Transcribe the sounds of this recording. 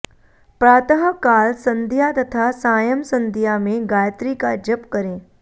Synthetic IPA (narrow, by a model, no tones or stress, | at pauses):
pɾaːt̪əɦəkaːlsɐ̃nd̪ʱjat̪ɐt̪ʰasaːjəmsə̃nd̪ʱijamẽɡaːjət̪ɾiːkad͡ʒəpkəɾẽː